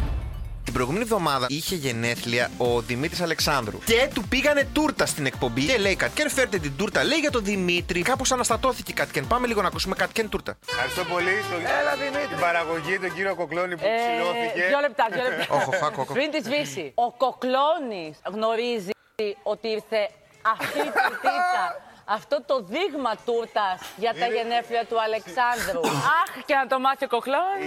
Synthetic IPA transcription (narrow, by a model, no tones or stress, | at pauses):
t̪ibɾo̞jɣume̞nivðo̞mɐðɐiçe̞ʝe̞ne̞θliɐoðimit̪ɾisɐle̞ksɐnd̪ɾṵcet̪upiɣɐne̞t̪uɾt̪ɐst̪ine̞k̚po̞mbiele̞ikɐt̪cenfeɾet̪et̪id̪uɾt̪ɐle̞iʝɐt̪o̞ðimit̪ɾikɐpo̞sɐnɐst̪ɐt̪o̞θicekɐt̪cenpɐme̞liɣonɐkusume̞kɐt̪cent̪uɾt̪ɐxɐɾist̪opo̞list̪oelɐðimit̪ɾibɐɾɐɣo̞ʝit̪oɟiɾiokoklonipsoθieʝolep̚t̪ɐðjolep̪oxoxoxoxopɾint̪izvisio̞ko̞klo̞nisɣno̞ɾizi | io̞t̪iiɾθe̞ | ɐft̪iːpt̪iɐɐft̪o̞t̪o̞ðiɣmɐt̪uɾt̪ɐsʝɐt̪ɐʝe̞ne̞fliɐt̪uɐle̞ksɐnd̪ɾuɐxceɐnt̪o̞mɐθioko̞kloni